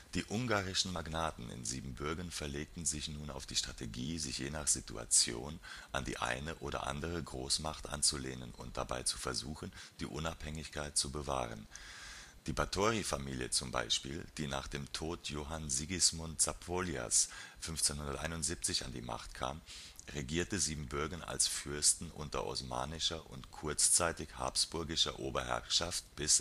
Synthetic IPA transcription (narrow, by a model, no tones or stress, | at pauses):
d̥iːʔʊŋɡaːʁɪʃn̩maɡnaːtn̩ɪ̰nziːbm̩bʏɐɡɐnfɛɐleːk̚tn̩zɪçnuːna̰ʊfd̥iːʃtʁ̥ateɡiːzɪçjeːnaχz̥itṵa̰t͡sjo̰ːnʔandḭːʔa̰ɪnəʔoːɾɐ̰ʔa̰ndəʁ̞əɡʁoːsmaχtʔa̰nt͡suleːnənʊ̰nt̚d̥a̰ba̰ɪt͡su̥fɛɐzuːxn̩d̥iːʔʊnaphɛŋɪçkʰaɪt̚t͡subəva̰ːʁə̰n | d̥iːbatʰoːʁifamiːljə̰t͡sʊmba̰ɪʃpḭːld̥iːna̰ːχd̥eːmtʰoːtʰjoːɦanziɡɪsmʊnt͡sapʰoːlja̰sfʏnft͡senhʊndɐtʔa̰ɪnʊntz̥iːp̚t͡sɪça̰ndḭːma̰χtkʰa̰ːmʁeɡiːɐtəziːbm̩bʏɐɡɐna̰lsfʏɐstn̩ʔʊ̰ntɐ̰ʔɔ̰sma̰ːnɪʃɐʔʊ̰ntkʰʊɐt͡st͡saɪtɪçha̰ːpsb̥ʊɐɡɪʃɐ̰ʔoːbɐhɛ̰ɐʃaftb̥ɪs